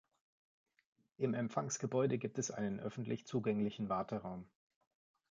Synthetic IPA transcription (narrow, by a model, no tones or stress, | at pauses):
ʔɪmɛmfaŋsɡ̥əbɔʏdəɡiːp̚tɛsʔa̰ɪnənʔœfn̩tʰlɪçt͡suːɡɛŋlɪçn̩vaɐtʰəʁaʊm